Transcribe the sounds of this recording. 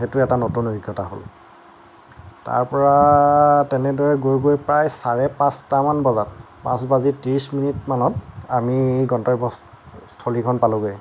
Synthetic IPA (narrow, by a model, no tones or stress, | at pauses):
xetʊɛtanotunbiɡːɔta̰ɦo̰l | ta̰ɹpɔɹa | tɛnɛdɔɹɛɡojɡojpɹajsaɹɛpãstamanbɔzat | pã̰sbazitiɹisminitmanɔtamiɡɔntɔɹibɔ | stʰolikʰɔnpalʊɡoj